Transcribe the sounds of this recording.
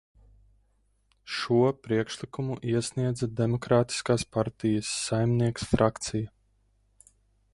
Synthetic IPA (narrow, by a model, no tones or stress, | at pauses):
ʃuɔpɾiɛkʃlˠikumuʔiɛsʲniɛd̪zad̪emɔkɾaːt̪i̥skaːspaɾt̪ijɐsːajmniɛksfɾʔakt̪sijɐ